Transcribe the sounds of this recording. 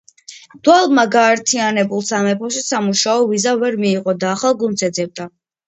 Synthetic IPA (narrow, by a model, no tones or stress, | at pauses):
d̪̥walˠmaɡaːɾt̪ʰianɛbulˠsamɛpʰɔʃisamuʃaɔvizavɛɾmiːqʼɔd̪aːχalˠɡunt̪sʰɛd̪zɛb̚d̪a